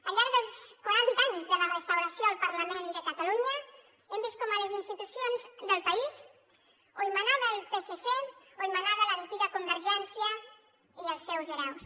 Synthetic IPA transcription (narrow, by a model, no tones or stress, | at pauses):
əʎaɾðəlˠskaɾant̪aaɲzðələrəst̪awɾəsjoəlˠpəɾləmend̪əkət̪aluɲə | embist̪kɔmələzinst̪it̪usionzðəlˠpaiz | oimanaβəlˠpeseseoimanaβələnt̪iɣəkumbəɾʒɛnsjə | iəlˠsːɛwzəɾaws